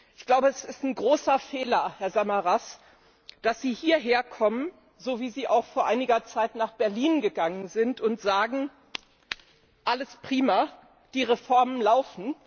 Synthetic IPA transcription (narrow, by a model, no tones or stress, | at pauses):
ʔɪçɡ̥laʊbəɛsɪstn̩ɡʁoːsɐfeːlɐhɛɐzamaʁas | d̥asz̥iːhiːɐɦeːɐkʰɔmən | zoːviːziːʔaʊxfoːɐʔaɪnɪɡɐt͡saɪtnaːχb̥ɛɐliːnɡəɡaŋənzɪntʰʊntz̥aːɡŋ̩ | ʔaləspʁ̥iːmɐ | d̥iːʁefɔɐmənlaʊfn̩